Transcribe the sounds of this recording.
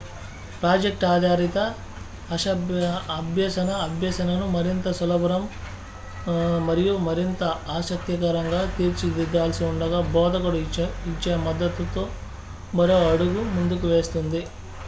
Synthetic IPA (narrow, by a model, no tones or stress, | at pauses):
pɾaːd͡ʒek̚ʈaːd̪aːɾit̪ɐː | ʂɐɐbʱjɐːsɐnɐːbʱjɐsɐnɐnumɐɾint̪ɐsulɐbɐɾɐm | mɐɾijumɐɾint̪ɐaːsɐk̚t̪jɐkɐɾɐŋɡaːt̪iːɾt͡ʃid̪id̪ːaːlɐsiuɳɖɐɡaːbɔːd̪ɐkɐɽuit͡ʃːeːmɐd̪ːɐt̪ut̪oː | bɐɾoːɐɽuɡumund̪ukuʋe̞ːst̪und̪i